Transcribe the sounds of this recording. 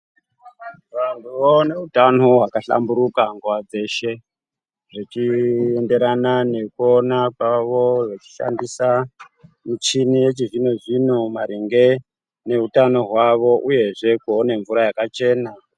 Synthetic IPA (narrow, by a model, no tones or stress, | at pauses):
ʋantʰuʋone̞utanoɦwakaɬa̰mbuɾukaŋɡuwad͡ze̞ʃe̞ | ʐit͡ʃiende̞ɾanane̞kuonakwaʋo̞ʐet͡ʃi̥ʃa̰ndisa | mut͡ʃinije̞t͡ʃiʐinoʐinomaɾiŋɡe̞ | ne̞ɦutano̞ɦwaʋo̞ʔuje̞ʐe̞kuone̞ɱvuɾajakat͡ʃe̞ːna